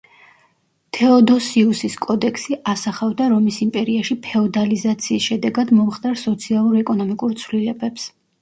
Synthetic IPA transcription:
t̪ʰɛɔd̪ɔsiusiskʼɔd̪ɛkʰsiʔasaχavd̪aɾɔmisimpʼɛɾiaʃipʰɛɔd̪alizat̪sʰiːsʃɛd̪ɛɡad̪mɔmχt̪ʼaɾsɔt̪sʰialˠuɾɛkʼɔnɔmikʼuɾt̪sʰvlilɛbɛps

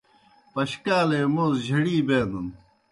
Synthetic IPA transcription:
pɐɕkaːleːmoːzd͡ʑʱɐɽiːbeːnun

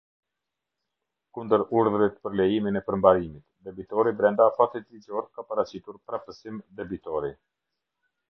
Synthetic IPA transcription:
kund̪əɾuɾðɾit̪pəɾlɛjiminɛpəɾmbaɾimit̪dɛbit̪ɔɾibɾɛnd̪afat̪it̪lid͡ʑɔɾt̪kapəɾat͡ɕit̪uɾpɾafp̪əsimd̪ɛbit̪ɔɾi

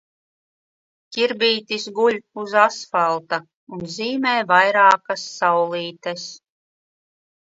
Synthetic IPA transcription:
cʲiɾbʲiːt̪isɡuʎʲuzasfalˠt̪a | unziːmɛːvajɾɑːkasːawlˠiːt̪ɛs

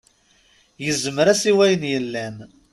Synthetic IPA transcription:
jəzːəməɾæsiwæjənjəlːæn

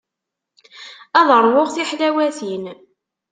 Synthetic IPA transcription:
æðɾˤwoʁθiħlæwæθin

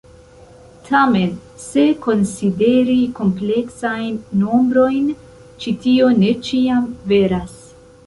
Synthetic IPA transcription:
tʰame̞n | se̞ko̞nside̞ɾiko̞mple̞ksajnːo̞mbɾo̞jn | t͡ʃitio̞ne̞t͡ʃiamve̞ɾas

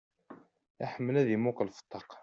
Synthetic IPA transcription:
æħəmːəlæðimukəlfə̥t̪ˤːɑq

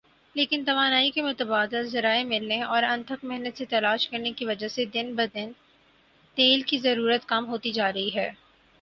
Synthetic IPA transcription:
leːkɪnt̪ɐʋaːnaːikemʊt̪əbaːd̪ɪlzɐɾaːemɪlneɔːɾɐ̃nt̪ʰəkmɛɦnət̪set̪ɐlaːʃkɐɾnekiʋɐd͡ʒased̪ɪnbɐd̪ɪn | t̪eːlkizɐɾuːɾət̪kamɦoːt̪id͡ʒaːɾɐɦiɦɛː

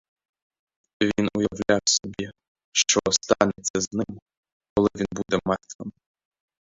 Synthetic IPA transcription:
vʲinujɐvlʲawsɔbʲi | ʃt͡ʃɔst̪anʲɛt̪sʲɐznɪm | kɔlˠɪvʲinbud̪ɛmart̪vɐm

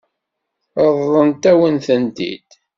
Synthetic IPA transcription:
əðːˤənt̪æwənθənt̪ḭd̪̥

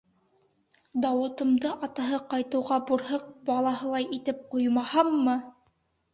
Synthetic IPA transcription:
d̪ɑwɤ̆t̪ɤ̆md̪ɤʔɑt̪ɑɦɤqɑjt̪ɤ̆wʁɑbuɾɦɤq̚bɑlˠɑɦɤlˠɑjit̪ɘp̚qujmɑhɑmːɤ

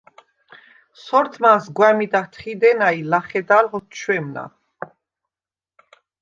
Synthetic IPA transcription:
sɔɾt̪ʰmasɡwamid̪at̪ʰχid̪ɛnailaχɛd̪alʁɔt̪ʰt͡ʃʰwɛmna̰

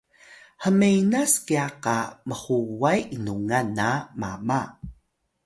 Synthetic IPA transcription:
həmejnaskiaqaməhuwajʔinuŋanːama̰ma

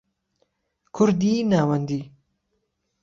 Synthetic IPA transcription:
kʰʊɾd̪iːnaːwɐnd̪i

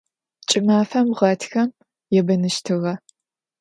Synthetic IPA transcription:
t͡ʃʼɪmaːfɐmʁɐtʰxɐm | jɛbɐnɨʃtʰɨɣɐ

